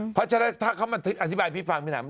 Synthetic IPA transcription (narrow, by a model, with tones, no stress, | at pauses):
pʰɔ˦˥t͡ɕʰa˧na˦˥˩t̪ʰaː˥˩kʰa˦˥wma˧t̪ʰɯ˦˥kʔa˧t̪ʰi˦˥baː˧jpʰiː˦˥˩fa˧ŋpʰi˥˧na̰ː˨˦m˧